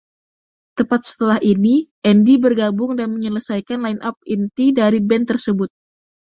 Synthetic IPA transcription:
t̪əpat̪̚sə̥t̪əlahiniʔɛndibərɡabʊŋdanməɲələsajkanlainʔap̚int̪idaɾibɛnt̪ərsəbʊt̪̚

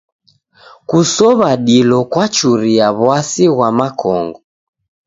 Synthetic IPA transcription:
kusɔβaɗilɔkwat͡ʃuɾiaβwasiɣwamakʰɔŋɡɔ

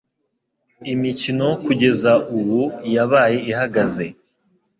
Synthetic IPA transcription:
imicino̞kuɟe̞zaʔuwujaβaːje̞ihaɡaze̞

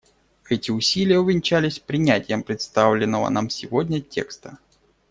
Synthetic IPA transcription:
ɛtʲɪʊsʲilʲɪjəʊvʲɪnʲt͡ɕælʲɪsʲpɾʲɪnʲætʲɪjəmpɾʲɪt̪st̪avlʲɪnːəvə̰namsʲɪvodʲnʲətʲʰe̞̰kst̪ə

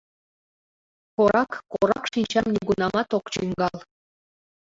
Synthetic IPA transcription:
koɾɑkːoɾɑkʃinʲt͡ɕɑmnʲiɡunɑmɑt̪okt͡ɕyŋɡɑlˠ

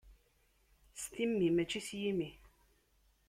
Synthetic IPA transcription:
st̪imːimæt͡ʃisjimi

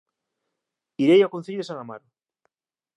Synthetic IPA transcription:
iɾejakon̟θeʎðesaŋamaɾo

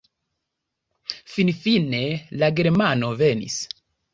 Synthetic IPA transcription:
finfinelaɡeɾmanovenḭs

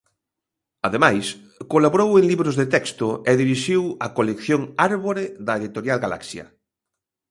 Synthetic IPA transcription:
aðemajs | kolaβoɾowẽŋliβɾozðet̪ɛkst̪ʊeðiβiʃiwɐkolekθjoŋaɾβoɾeðɐeðit̪oɾjalɡala̰ksjɐ̰

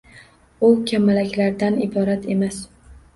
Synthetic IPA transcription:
ʊkʲʰamalakʲlaɾd̪anɪbɒɾat̪e̞mas

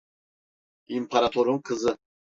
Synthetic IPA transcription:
impʰaɾat̪ʰɔɾumkʰəzɨ

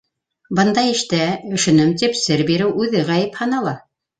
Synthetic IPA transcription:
bɤ̆nd̪ɑɘ̆ʃt̪æɵ̆ʃɵ̆nɘmt̪ipsɘɾbiɾɘwʔʉðɘʁæjɘphɑnɑlˠɑ

